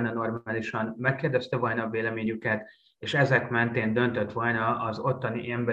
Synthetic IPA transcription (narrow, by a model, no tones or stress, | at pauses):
nɒno̞rmːliʃɒnmɛkːeːrd̪ɛst̪ɛvɒlnɒveːlɛmeːɲykɛt̪ | eːʃɛzɛkmɛnt̪eːnd̪ø̞nt̪ø̞t̪ʋɒlnɒʔɒzo̞t̪ːɒniʔɛmbɛ